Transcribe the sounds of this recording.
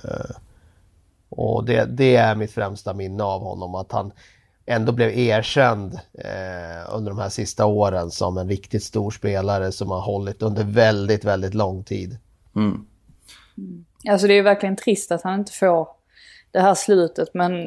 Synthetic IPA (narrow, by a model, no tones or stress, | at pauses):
ʔɔ̰d̪ɛ̰d̪ɛæɾmɪt̪fɾɛmst̪amɪnːəavhɔ̰nːɔmat̪ha̰n | ɛnd̪oːblɛveːʂɛnd̪ | ɵ̰nd̪əɾɖɔmhæːʂɪst̪aoːɾənsɔ̰mɛnɾɪkt̪ɪt̪st̪uːɾʂpeːlaɾəsɔmhaɾɦɔlːɪt̪ɵnd̪əɾvɛld̪ɪt̪vɛld̪ɪt̪lɔŋːt̪ʰḭːd̪ | als̬ɔd̪ɛæːjəvæɾklɪɡənt̪ʰɾɪst̪at̪hanɪnt̪ə̥foːɾ | d̪̥ɛhæːslʉ̟ːt̪ət̪mɛn